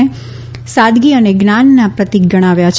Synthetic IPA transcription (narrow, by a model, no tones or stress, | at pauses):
e | sad̪ɡiəneɡnanːapɾət̪iɡəɽ̃aʋjat͡ʃʰ